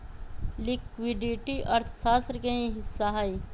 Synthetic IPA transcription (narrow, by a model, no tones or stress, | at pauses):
lɪkwɪɖiʈiʔəɾt̪ʰsaːst̪ɾkeĩɦɪsːaɦai